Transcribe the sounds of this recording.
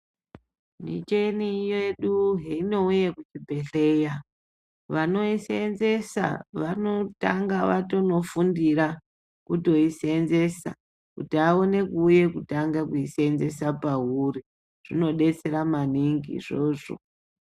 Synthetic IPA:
mḭt͡ʃe̞nijeɗuɦeino̞ujekut͡ʃibʱe̞ɬe̞ːja | ʋano̞isenze̞sa̰ʋano̞taŋɡaʋatono̞fundiɾa | kuto̞isenze̞sa̰ | kutiao̞ne̞kuːje̞kutaŋɡakuisenze̞sapaɦuri | ʐ̥ino̞ɗe̞t͡se̞ɾamaniŋɡḭʐ̥o̞ːʐo̰

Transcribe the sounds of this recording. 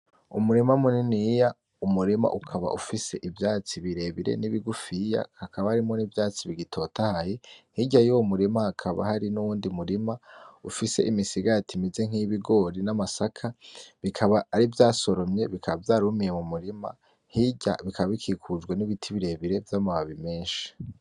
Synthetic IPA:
ṵmuɾimamuninija | umuɾima̰ʔukʰaβa̰ʔufise̞̰ʔivjaːt͡siβiɾe̞βiɾḛniβiɡufija̰hakaβahaɾimo̞nivjaːt͡siβiɡitʰo̞tahajehiɟajomuɾimahakʰaβa̰haɾinuwuːndimuɾimaufise̞̰ʔimisiɡatʰimize̞ŋ̥hiβiɡo̞ɾinamasakʰaβikʰaβaːɾivjaːso̞ɾo̞mɲe̞βikʰaβavjaːɾumijemumuɾima̰ | hiɟa̰βikʰaβaβikʰikʰud͡ʒɡweniβitʰiβiɾe̞βiɾe̞vjamaβaβime̞ːnʃi̥

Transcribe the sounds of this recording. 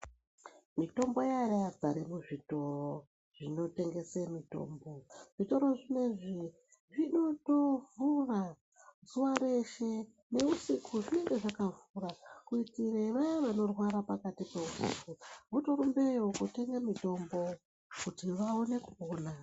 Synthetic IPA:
mito̞mbo̞jaɾead͡zaɾemuʐito̞ro | ʐ̥ino̞te̞ŋɡe̞semito̞̰ːmbo̞ʐ̥ito̞ɾo̞ʐine̞ʐi | ʐino̞to̞vura | zuwaɾe̞ʃe̞ | ne̞usikʰuʐine̞ŋɡe̞ʐakavurakuitireʋajeʋano̞rwaɾapakatipeusḭkuβuto̞ɾumbe̞jokute̞ŋɡamito̞mbo̞ | kutiʋaone̞kuoːna

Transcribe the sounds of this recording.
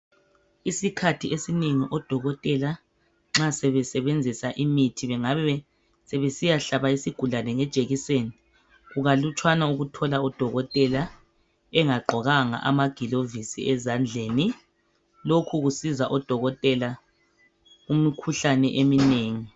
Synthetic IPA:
isikʰatʰiʔesineŋiʔɔd̥ʱɔɣɔtʼɛla | ŋ͡ǁasɛβɛsɛβend͡zʱisaʔimitʰiβɛŋaβɛɛ | sɛβesijaɬaβaisiɡ̥ʱulanɛŋɛd̥ʒ̥ʱeɣiseːni | ɣuɣalut͡ʃʰʼwanauɣutʰɔlaɔd̥ʱɔɣɔtʼɛla | ɛŋaɡ͡ǃʱɔɣaŋa̰ʔa̰maɡ̥ʱilovisḭɛzand͡ɮʱeːni | lokʰuɣusizaʔɔd̥ʱɔɣɔtʼɛla | umikʰuɬanɛʔemineːŋi

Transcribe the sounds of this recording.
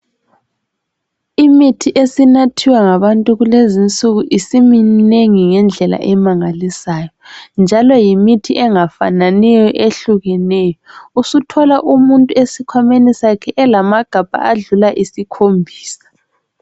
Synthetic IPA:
imitʰiʔesinatʰiwaŋaβantʼuɣulezint͡sʼuɣuʔisimineŋiŋɛnd͡ɮʱɛla̰ʔɛmaŋalisaːjɔnd͡ʒʱalɔjimitʰiʔɛŋafananɛjɔʔeɬuɣɛnɛːjɔusutʰɔlaʔumuntʼuesikʰwamenisakʰɛʔɛlamaɡ̥ʱab̥̚ʱa̰ʔaɮulaʔisikʰombʱiːsḁ

